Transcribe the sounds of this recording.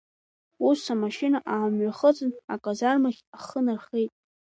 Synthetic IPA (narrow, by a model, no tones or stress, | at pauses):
usamaʃinaʔamɥaχət͡sʼɨnakʼazarmaχʲaχənarχejtʼ